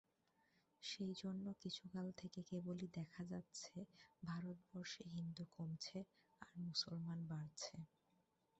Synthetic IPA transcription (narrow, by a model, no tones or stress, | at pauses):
ʃejd͡ʑonːokit͡ɕʰukalt̪ʰekekebolid̪ɛkʰad͡ʑatːɕʰebʱaɾot̪̚bɔɾʃeɦind̪ukomt͡ɕʰe | aɾmusolmanbaɾt͡ɕʰe